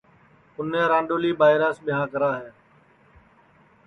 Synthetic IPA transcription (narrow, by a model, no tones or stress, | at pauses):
ʊnẽːɾãːɳɖoːliːɓaːɪɾaːsɓɪɦãːkəɾaːɦeː